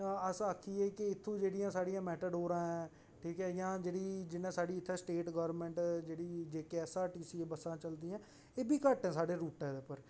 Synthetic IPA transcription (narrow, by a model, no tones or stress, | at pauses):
əsakʰːiːeːkɪɪt̪ʰːõːd͡ʒeːɽijãːsaːɽijãːmɛːʈ̪əɖɦoːɾãːɛ̃ː | ʈʰiːkɛːjãːd͡ʒeːɽiːd͡ʒɪnːẽːsaːɽiːɪt̪ʰːɛ̃ːsʈeːʈɡəːʋɾɾmɛ̃ɳʈd͡ʒeːɽiːd͡ʒeːkɛːsaːʈiːsiːebəsãːt͡ʃəld̪iːãː | eːbiːkəʈɛ̃ːsaːɖeːɾuːʈɛːd̪epəɾ